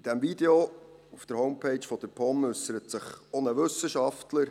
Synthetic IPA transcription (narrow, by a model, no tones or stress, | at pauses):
id̥æmvid̪eoufd̥əɾhɔʊmpʰeɪt͡ʃfɔd̥̪əɾpʰɔmʏsəɾətsəχonəʋɵsəʃɑftləɾ